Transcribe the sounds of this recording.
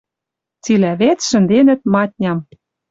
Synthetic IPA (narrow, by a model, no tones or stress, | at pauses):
t͡silæβet͡sʃɘ̆nd̪enɘ̆t̪̚mɑt̪̚ʲnʲɑm